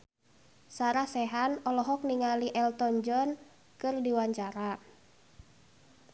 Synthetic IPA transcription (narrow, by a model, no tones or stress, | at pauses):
saɾasɛɦanɔlɔɦɔk̚niŋaliʔɛlt̪ɔnd͡ʒɔn | kɨrdiwaɲt͡ʃaɾa